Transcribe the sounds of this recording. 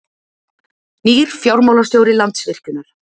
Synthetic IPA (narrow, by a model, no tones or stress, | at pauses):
niːɾ̥fjawɾmowlast̪joːwɾɪlant̪svɪr̥cʏnːaɾ̥